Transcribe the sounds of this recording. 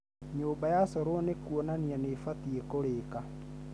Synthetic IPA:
ɲoːbajasɔɾonekuɔnanianefatiɛkoɾeka

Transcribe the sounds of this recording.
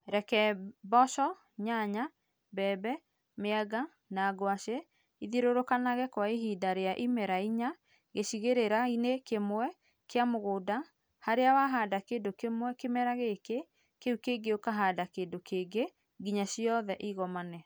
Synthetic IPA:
ɾɛkɛbɔʃɔ | ɲaɲa | bɛːbɛ | meaɡa | naːɡwaʃe | iðiɾoɾokanaɣɛkwaeɦidaɾeaʔimɛɾaiɲa | ɣeɕiɣeɾeɾainekemwɛ | keamoɣoːda | haɾeawaɦadakedokemwɛkemɛɾaɣeke | keukeɡeokaɦadakeːdokʰeɡe | ɡiɲaɕiɔðɛʔiɣɔmanɛ

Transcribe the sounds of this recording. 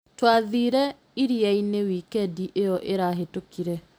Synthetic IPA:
twaðiːɾɛ | iɾiainewikɛdiʔejɔʔeɾaɦetokiɾɛ

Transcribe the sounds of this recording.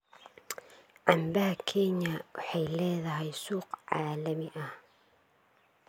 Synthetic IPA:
ʕɑmbɐɦɐkʰɛɲɐwɑħɑjlɛːðɐɦɛjsuːqʕɑːlɐmɪʔɐh

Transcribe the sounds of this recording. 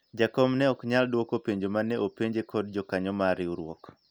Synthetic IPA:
d͡ʒakɔmnɛɔkɲaldwokopeɲd͡ʒomanɛʔopeɲd͡ʒekʰɔdd͡ʒɔkaɲɔmaɾɪuɾwɔ̰k

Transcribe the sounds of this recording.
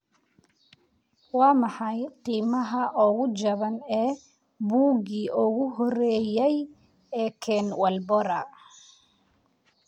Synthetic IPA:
wɑːmɑħɑjqiːmɐɦɐʔɔːɣʊd͡ʒɐβɐnɛː | buːɣiːʔɔɣʊɦɔɾɛːjɛj | ɛːkʰɛːnwɐlbɔɾɐ

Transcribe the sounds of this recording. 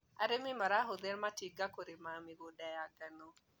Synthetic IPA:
a̰ɾemimaɾaɦod̪ɛɾmatiɡakoɾimamiɡodajaɡano

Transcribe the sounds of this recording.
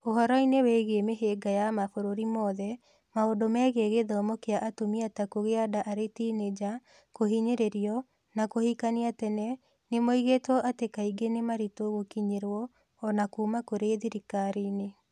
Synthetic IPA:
oɦɔɾɔinewɛɣiemeɦeɡajamafoɾoɾimɔːðɛ | maodomɛɣeɣeðɔːmokeaʔatomiatakoɣeadaʔaɾetined͡ʒa | koɦiɲeɾeɾiɔ | nakohikaniatɛnɛ | nemoiɣetwɔʔatekaiɡenemaɾitoɣokiɲeɾwɔː | nakuːmakoɾeðiɾikaɾine

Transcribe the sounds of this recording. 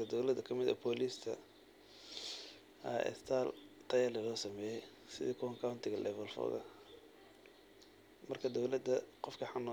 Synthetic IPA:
ɐd̪ɔwlɐðɐkʰɐmɪðɐ̰pʰɔːliːst̪ʰɐ | ɐʔɛ̰st̪ʰaːlt̪ʰɐjɛlɪlɔːsɐmɛːjɛj | sɪ̰ðikʰɔŋkʰawnt̪ʰɪɣɐlʔɛ̰βɛlfɔ̰ːðɐ̰ | mɐrkʰɐd̪ɔwlɐd̪ɐqɔfkʰɐħanːɔ

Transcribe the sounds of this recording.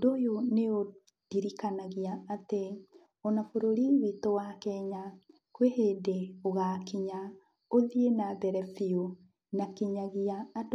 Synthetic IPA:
odojoneo | d̥iɾikanaɣiaːte | ɔnafoɾoɾiwitowakɛɲa | kwehedeoɣakiɲa | oðienaðɛɾɛfio | nakeɲaɣiaːd

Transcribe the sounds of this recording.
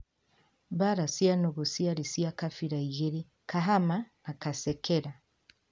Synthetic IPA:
baɾasianɔɣɔsiaɾisiakafiɾaiɣɛɾi | kaɦamanakasɛkɛɾa

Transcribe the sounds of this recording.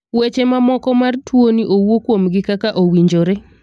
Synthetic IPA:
wet͡ʃemamɔkɔmartwoniʔowokwomɡɪkakaʔowiɲd͡ʒoɾe

